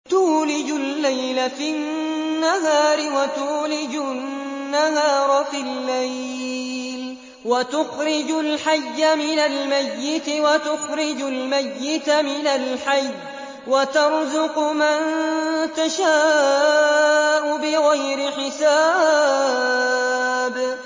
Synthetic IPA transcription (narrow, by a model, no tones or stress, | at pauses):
t̪uːlɪd͡ʒʊlːajlafinː | aɦaːɾɪwat̪uːlɪd͡ʒʊː | ahaːɾˤfilːaj | l | wat̪ʊxɾɪd͡ʒʊlħajːamɪnalmajːɪt̪ɪwat̪ʊxɾɪd͡ʒʊlmajːɪt̪mɪnalħaj | wat̪ɑɾˤzʊqmant̪aʃaː | ʔʊbɪɣajɾɪħɪsaː | b